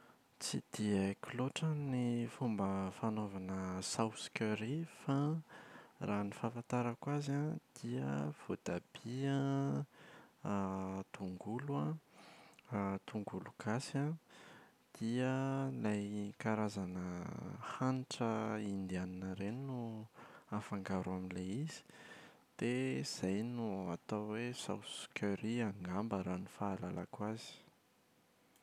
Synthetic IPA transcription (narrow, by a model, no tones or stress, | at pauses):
t͡sid̪̥iəkiloʈ͡ʂənifumbəfanovanəsawskʲøɾifa | ranifafant̪aɾakwazãd̪̥iə̰v̥od̪̥ab̥ia | t̪uŋɡuluã | t̪uŋɡulukasã | d̪̥iəlajkaɾazanəhanʈ͡ʂəind̪ianinəɾennu | afaŋɡaɾuaminleiz̥i̥ | d̪̥ez̥ajnuat̪awwesa̰wsu̥kʲʰøɾiaŋɡambəɾanifaːlala̰kwazi̥